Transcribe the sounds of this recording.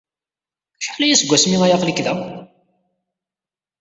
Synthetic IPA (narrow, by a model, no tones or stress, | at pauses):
ʃə̥ħlæjæsəɡʷæsmiŋæjaʁlikðæ